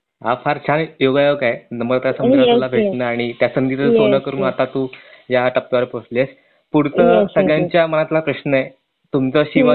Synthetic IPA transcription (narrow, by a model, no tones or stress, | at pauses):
ɦafaɾt͡ɕʰanjoɡajəkajnəmbəɾat̪jasəmɡɾalabʱeʈnəaɽ̃it̪jasəŋɡit̪əsonəkəɾuːnat̪at̪uːjaʈəp̚ʋaɾposles | puɾt̪əsəɡɭjãɲt͡ɕjamənat̪lapɾəɕnəe | t̪umt͡səɕiʋə